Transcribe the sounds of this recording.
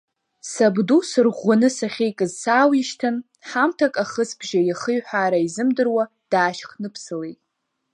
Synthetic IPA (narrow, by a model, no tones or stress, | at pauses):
sabdusɨrʁʷanɨsaχʲejkʼɨzsaːwiʃtʰɨn | ħamtʰakʼaχəsbʒajaχɨjħaːɾaizɨmdɨrwa | d̥aːʃχnɨpʰsɨlejtʼ